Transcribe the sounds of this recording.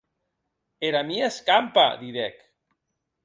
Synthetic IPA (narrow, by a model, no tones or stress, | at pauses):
eɾamieskampa̰ðiɾɛk